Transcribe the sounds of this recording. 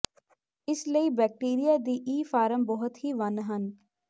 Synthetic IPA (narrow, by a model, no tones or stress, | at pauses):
ɪsləiːbɛːk̚ʈiːɾijaːd̪iːʔiːfʰaːɾəmbɔɦʊt̪ɦiːʋənɦən